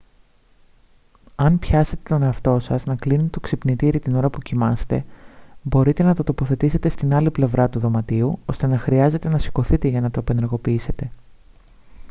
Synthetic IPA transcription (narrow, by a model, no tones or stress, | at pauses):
ɐnpçɐse̞t̪e̞t̪o̞ne̞ɐft̪o̞sɐznɐklinet̪et̪oksipnit̪iɾit̪ino̞ɾɐpucimɐse̥t̪e̞bo̞ɾit̪e̞nɐt̪o̞t̪o̞po̞θe̞t̪ise̞t̪e̞st̪inɐliple̞vɾɐt̪uðo̞mɐt̪iuo̞st̪e̞nɐxɾiɐze̞t̪e̞nɐsi̥ko̞θit̪e̞ʝɐnɐt̪ope̞neɾɣo̞piise̞t̪e̞